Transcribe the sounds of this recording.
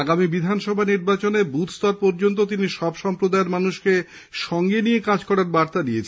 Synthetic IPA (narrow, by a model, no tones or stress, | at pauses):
aɡamibid̪ʱanʃɔbʱaniɾbat͡ɕonebut̪st̪ɔɾpoɾd͡ʑont̪̬ot̪̬iniʃɔbʃɔmpɾod̪aeɾmanuʃke | ʃɔŋɡenijekad͡ʑkɔɾaɾbaɾt̪ad̪ijet͡ɕʰ